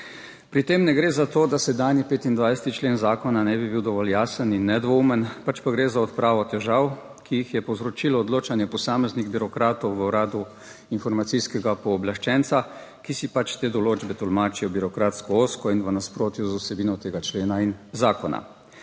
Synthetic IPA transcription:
pɾit̪eːmnɛɡɾeːzat̪oːd̪asɛd̪anjipeːt̪ind̪ʋajsɛt̪it͡ʃleːnzaːkɔnanɛbibiwd̪ɔʋɔljaːsəninːɛd̪ʋɔumənpat͡ʃpaɡɾeːzaɔt̪pɾaːʋɔt̪ɛʒaw | kijixjɛpɔwzɾɔt͡ʃilɔːd̪loːt͡ʃanjɛpɔsaːmɛzniɣbiɾɔkɾaːt̪ɔwʋəuɾaːd̪u | infɔɾmat̪siskɛɡapɔːblaʃt͡ʃɛnt̪sa | kisipat͡ʃt̪eːd̪ɔloːd͡ʒbɛt̪ɔlmaːt͡ʃijɔbiɾɔkɾaːt̪skɔoːskɔinʋənaspɾoːt̪juzusɛbiːnɔt̪eːɡat͡ʃleːnainzaːkɔna̰

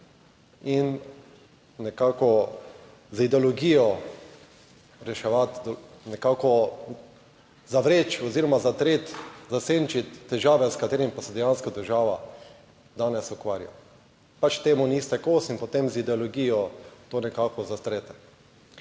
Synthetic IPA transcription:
in | nɛkaːkɔ | zid̪ɛɔloɡiːjɔ | ɾɛʃɛʋat̪d̪nɛkaːkɔ | zaʋɾeːt͡ʃɔziːɾɔmazat̪ɾeːt̪zaseːnt͡ʃit̪ːɛʒaːʋɛskat̪eːɾimpasɛd̪ɛjãnskad̪əɾʒaːʋa | d̪aːnɛsukʋaːɾja̰ | pat͡ʃt̪eːmunist̪ɛkoːsinpot̪emzid̪ɛoloɡijɔt̪onɛkaːkɔzast̪ɾeːt̪ɛ

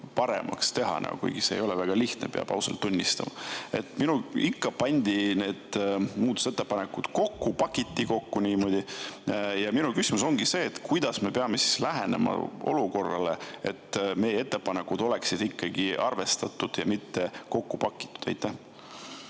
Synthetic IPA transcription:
pɑɾe̞̰mʔɑ̰kst̪e̞ɦɑ̰nʔɑ̰ɡ̰kṵjɡ̥isḛːjo̞lɛvæɡ̥ɑliht̪nḛpeɑ̰b̥ɑ̰wsḛlt̪ːunʲːist̪ɑ̰mɑe̞̰t̪ːminuikːɑpɑnʲd̪̥ine̞ːd̪̥muːd̪o̥se̞t̪ːˑepɑnekud̪̥ko̞kːupɑkit̪ʲːiko̞kːunʲiːmo̞d̪̥ʲi | jɑminukysimuso̞ŋɡ̥ise̞ːt̪kujd̪̥ɑsme̞peɑme̞si̥slæɦene̞̰mɑ̰o̞̰luko̞rːɑ̰le̞̰et̪ːme̞jee̞t̪ːˑepɑnekːud̪̥o̞le̞ksid̪̥ikːɑɡ̥iʔɑrve̞st̪ɑt̪ːˑud̪̥jɑmit̪ːe̞ko̞kːupɑkˑːi̥t̪ːˑu̥d̪̥ɑjt̪ːˑæh

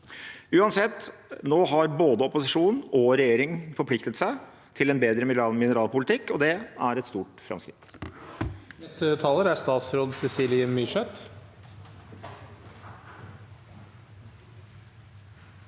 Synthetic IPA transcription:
ʉːɑnsɛt̪ːnoːɦɑɾboːd̪əɔpʊsɪʂuːnn̩ɔɾɛjeːɾɪŋfɔɾpʰlɪkt̪ət̪sæɪ | t̪ʰɪlɛnbeːd̪ɾəmɪmɪnəɾɑːlpʊlɪt̪ʰɪkːɔd̪ɛæɾɛt̪st̪uːʈfɾɑ̰mskɾɪ̰t̪ | nɛst̪ət̪ʰɑːləɾæst̪ɑːt̪sɾoːd̪sɛsiːlɪəmyʂɛt̪

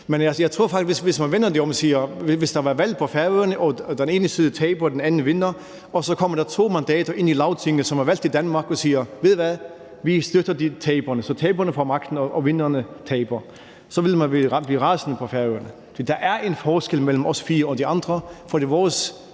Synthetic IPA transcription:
menæsjɑ̈ɪt͡sʰʁu̝ɐ̰fɑɡ̥̚i̥ʋesʋe̝smænʋenɐd̥iɒ̽msiːɐʋesd̥ɑʋæʋæl̰d̥̚pʰɒ̽fæɐʋøɐnəʔɒ̽d̥ene̝ːnəsiːðˠət͡sʰɛɪb̥ɐd̥enænn̩ʋenɐ | ɒ̽sɒ̽kʰɒ̽m̰ɐɾ̥ɑt͡sʰo̝̰ːmænd̥ɛ̰ːd̥ɐʔe̝nilɑ̈ʊt͡sʰeŋnəsɒ̽mɑɐʋæl̰d̥id̥ænmɑ̈ːɡ̥ɒ̽siːɐʋe̝ðˠʋæð | ʋisd̥ød̥ɐdit͡sʰɛɪb̥ɐnəsɒ̽t͡sʰɛːb̥ɐnəfɒmɑ̈ɡ̥̚d̥n̩ɒʔɒʋe̝nɐnət͡sʰɛɪb̥ɐ | sɒ̽ʋe̝lmænʋibliːʁɑ̈ːsnəpʰɒfæɐʋøɐnə | d̥id̥ɑ̈ʔæɐʔenfɒːsɡ̥elmel̰m̩ɒ̽sfiːɐɒ̽d̥iɑ̈nd̥ʁɐfɒd̥iʋɒːs

